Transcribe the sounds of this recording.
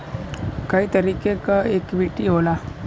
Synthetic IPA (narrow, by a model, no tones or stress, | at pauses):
kaɦiːt̪əɾiːkekaekʋiʈiɦola